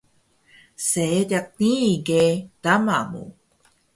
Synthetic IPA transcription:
seedak̚niɡed̥ama̰mṵ

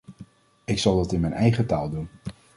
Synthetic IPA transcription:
ɪksɑlˠdɑtɪnmɛjnʔɛjχəta̰ːlˠdun

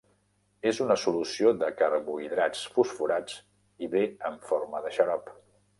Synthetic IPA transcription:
ezunəsulusioðəkəɾβuiðɾat͡sfusfuɾad͡z | iβeəɱfoɾməðəʃəɾɔp

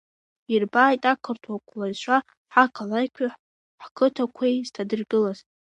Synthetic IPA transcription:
irbaːjtʼakʰɨrtʰwakʷʰlazʃʷa | ħakʰalajkʲʷʰʊħ | ħkʰɨtʰakʷʰejz̥tʰadɨrɡɨlaz

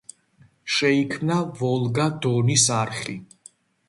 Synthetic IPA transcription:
ʃɛikʰmnavɔlˠɡad̪ɔnisaɾχi

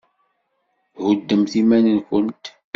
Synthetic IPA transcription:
hʊd̪ːəmθimænənkənt̪

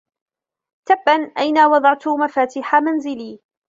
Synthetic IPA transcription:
t̪abːanʔajnawɑd̪ˤɑʕt̪ʊmafaːt̪ɪħamanzɪliː

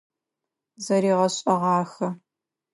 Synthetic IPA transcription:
zɐɾiːʁɐɕʼɐʁɑːxɐ

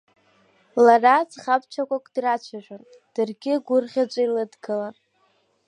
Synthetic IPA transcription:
larad͡zχapʰʼt͡ʃʷʰakʷʼakʷʼd̥rat͡ʃʷʰaʒᶣʷʼon | d̥ɨrɡʲɪɡʷʊrχʲat͡ʃʷʼailɨdɡɨlan

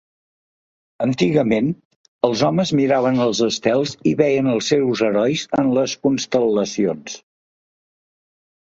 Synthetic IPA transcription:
ənt̪iɣəmen | əlˠzɔməzmiɾaβənəlˠzəst̪ɛlˠziβɛjənəlˠsewzəɾɔjzənləskunst̪ələsions

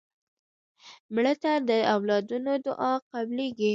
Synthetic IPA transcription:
mɭət̪ad̪əawlɑd̪unod̪ʊ̰ʔɑqableɡi

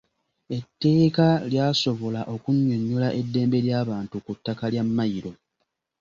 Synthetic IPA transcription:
e̞tːe̞ːkaljaːso̞βo̞laʔo̞kuɲːo̞ɲːolaʔe̞dːe̞ːmbe̞ljaːβaːntukutːakaljamːajiɾo̞

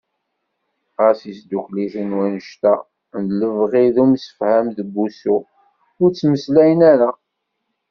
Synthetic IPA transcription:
ʁəsisd̪ukliθənwænəʃt̪æ | nd̪ləvʁiðumsə̥fhæmðəbːusu | ʊɾt͡sːməslæjənæɾa

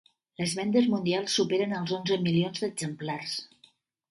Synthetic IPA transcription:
ləzβɛnd̪əzmund̪ialˠsːupeɾənəlˠzonzəmilionzd̪əɡzəmplars

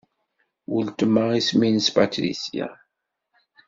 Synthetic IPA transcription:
wəlt̪əmːaʁisminspat̪ɾḭsia̰

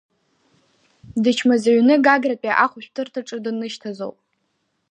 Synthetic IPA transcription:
dɨt͡ʃʰmazaɥnɨɡaɡrapʲʼaʔaχʷʊʃʷᶣtʰɨrtʰaʈ͡ʂʼɨdɨnɨʃtʰazo̰wpʼ

